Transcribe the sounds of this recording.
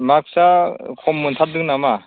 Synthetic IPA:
mak̚sakʰɔmːunt̪ʰat̚dɯŋnama

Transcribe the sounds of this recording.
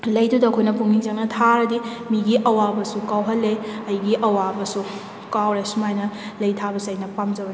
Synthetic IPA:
lɐjdudɐkʰojnɐpuŋiŋd͡ʒɐŋ̚nɐtʰaɾɐdimiɡiʔɐwabɐsukawɦɐlːeɐjɡiʔɐwabɐsu | kawɾesumajnɐlɐjtʰabɐsɐjnɐpamd͡ʒɐbɐn

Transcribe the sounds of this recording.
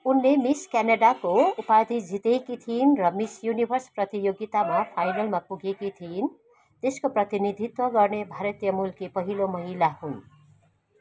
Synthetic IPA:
unlemiskanaɖakoupad̪ʱid͡zit̪ekit̪ʰinrʌmisjunibʱʌrsprʌt̪ijoɡit̪amapʰajnʌlmapuɡekit̪ʰin | t̪eskoprʌt̪inid̪ʱit̪wʌɡʌrnebʱaɾʌt̪ijʌmulkipʌɦilomʌɦilahun

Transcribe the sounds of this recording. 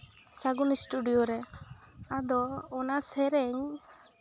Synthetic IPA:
saɡunisʈuɖijɔɾɛ | ad̪ɔːnasɛɾɛɲ

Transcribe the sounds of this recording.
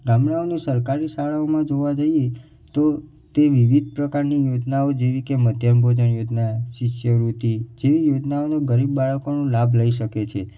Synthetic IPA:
ɡamɳaonesəɾkaɾisaɭaomãd͡ʒoʋad͡ʒəie | t̪o | t̪eʋiʋid̪̚ʱpɾəkaɾnijod͡ʒnaod͡ʒeʋikeməd̪ʱjəmbʱod͡ʒənjod͡ʒnaʃiʃjəɾut̪id͡ʒeʋijod͡ʒnaonoɡəɾibːaɭəkonũlabʱləiʃəket͡ʃʰe

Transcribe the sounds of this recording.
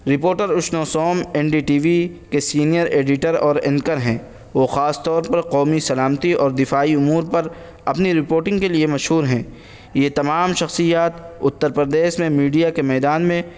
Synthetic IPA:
ɾɪpoːɾʈəɾʊʃnosɔːmɛnɖiʈiːʋikesiːnijəɾeːɖɪʈəɾɔːɾɪ̰̃ŋkəɾɦɛ̃ː | ʋoːxaːst̪ɔːɾpɐɾqɔːmisɐlaːmt̪iɔːɾd̪ɪfaːiʊmuːɾpɐɾ | ɐpniɾɪpoːɾʈɪ̃ŋɡkeliemɐʃɦuːɾɦɛ̃ː | jet̪ɐmaːmʃɐxsijaːt̪ʊt̪ːəɾpəɾd̪eːʃmẽmiːɖijakemɛːd̪aːnmẽ

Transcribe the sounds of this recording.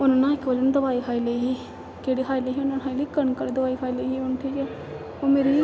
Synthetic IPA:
ʊnːnãːɪkbəlenːd̪əbaːiːkʰaːiləiɦiː | keːɽiːɦaːiləɦiːʊnãnɦaːiləiːkəɳkəɾid̪əbaːiːkʰaːiləiːɦiːʊnʈ̪ʰiːka | oːmeːɾiː

